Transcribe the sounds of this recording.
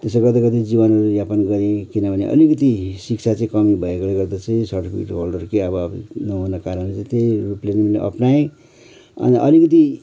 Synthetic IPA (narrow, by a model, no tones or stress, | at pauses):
t̪eseɡʌt̪ekʌt̪id͡zibʌnʌɾudjapʌnɡʌɾekinʌbʱʌnḛʔʌ̰likʌt̪isikt͡sʰat͡sʌ̃ĩkʌmibʱʌekoleɡʌrd̪at͡sʌĩsʌʈpḭʈɦolɖʌrkeʌbʌbnʌɦunʌkaɾənlet͡sʌ̃ĩt̪ejruplenimlḛʔʌ̰pnaẽ | ʌ̰niʔʌ̰likʌt̪̬i